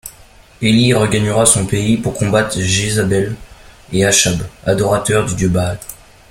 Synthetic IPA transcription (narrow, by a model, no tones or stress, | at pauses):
eliʁəɡaɲəʁasɔ̃peipuʁkɔ̃bat̪χʒezabɛleaʃabad̪ɔʁat̪œʁd̪yd̪jøbaːl